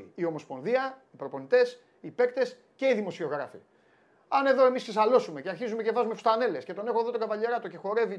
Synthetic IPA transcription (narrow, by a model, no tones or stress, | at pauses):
io̞mo̞spo̞nðiɐipɾo̞po̞nit̪e̞s | ipe̞kt̪e̞s | ce̞iðimo̞sio̞ɣɾɐfḭ | ɐne̞ðo̞e̞misksesɐlo̞sume̞ceɐɾçizumecevɐzumefust̪ɐne̞le̞sce̞t̪o̞ne̞xoðo̞t̪oɡɐvɐʎeɾɐt̪oce̞xo̞ɾe̞vi